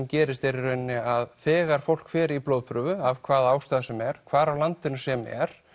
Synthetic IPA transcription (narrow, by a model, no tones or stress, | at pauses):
mcɛːɾɪst̪eɾɪɾœɥnːɪaðθɛːɣaɾ̥fowl̥kfɛːɾiploːwðpʰɾʏːvʏavkʰvaːðaːwst̪aːðasɛmɛɾ̥kʰvaːɾawlant̪ɪnʏsɛmɛ̰ɾ̥